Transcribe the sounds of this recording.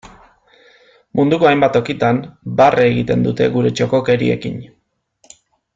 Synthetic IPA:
mund̪uko̞ajmbat̪o̞kit̪ambarʔeɣit̪e̞nd̪ut̪e̞̰ɣuɾe̞t͡ʃo̞ko̞ke̞ɾḭe̞̰kḭn

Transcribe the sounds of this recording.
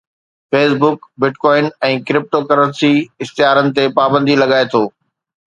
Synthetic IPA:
feːsbʊkbɪʈkɔːɪnɛ̃ːkɾɪp̚ʈokɐɾə̃nsiɪxt̪ɪɦjaːɾənɪ̆t̪epaːbə̃nd̪ilɐɡaːet̪ʰoː

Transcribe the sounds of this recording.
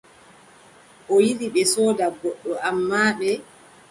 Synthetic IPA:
ʔɔjiliɓɛsɔːdaɡɔɗːɔʔamːaːɓɛ

